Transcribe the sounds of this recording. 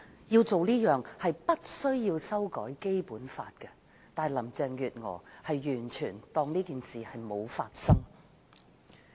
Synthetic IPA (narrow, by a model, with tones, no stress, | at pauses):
jiː˧wt͡so˨wliː˥jœː˨˩ŋhɐ˨jpɐ˥t̚sɵ˥ɥjiː˧wsɐ˥wkɔː˨˥jke˥jpuː˨˥nfa̰ː˧t̚kɛ˧ | t̪aː˨˩jlɐ˨˩mt͡sɛː˨˧ŋjyː˨t̚ŋɔ̰ː˨˩hɐ˨jːyː˨˩nt͡ʃʰyː˨˩nt̪ɔː˧ŋniː˥kiː˨nsiː˨hɐ˨jmo˨˧wfa̰ː˧t̚sɐ˥ŋ